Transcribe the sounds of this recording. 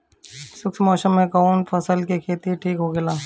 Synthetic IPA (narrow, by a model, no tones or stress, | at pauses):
sʊksmɔːsəmːẽkɔːnpʰəsəlkekʰeːt̪iʈʰiːkɦoːɡelaː